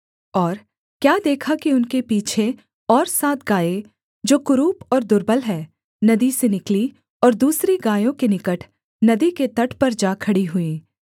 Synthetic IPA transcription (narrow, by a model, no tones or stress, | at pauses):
ɔːɾ | kjaːd̪eːkʰakiʊnkepiːt͡ʃʰe | ɔːɾsaːt̪̚ʰɡaːe | d͡ʒoːkʊɾuːpɔːɾd̪ʊɾbəlɦɛː | nɐd̪isenɪkli | ɔːɾd̪uːsɾiɡaːjõkenɪkəʈʰ | nɐd̪iket̪ɐʈʰpɐɾd͡ʒaːkʰɐɽiɦʊĩː